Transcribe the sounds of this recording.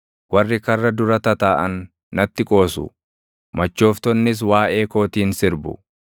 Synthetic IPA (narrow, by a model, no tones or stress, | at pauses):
wɐrːɪkɐrːɐd̪ʊɾɐt̪ɐt̪aːʔɐnː | ɐt̪ːɪkʼo̞ːsʊ̰ | mɐt͡ʃːo̞ːft̪ɔnːɪs̬waːʔe̞ːko̞ːt̪iːnsɪɾbʊ̰